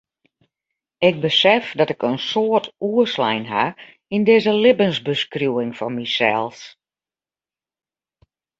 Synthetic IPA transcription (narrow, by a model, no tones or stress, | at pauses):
ɪk̚bəsɛfdɔtɪkənsoətʰuəslɛ̰jnɦa̰ | indɪːzəlɪbənsbəskrjuɪŋfɔnmisɛ̰lˠs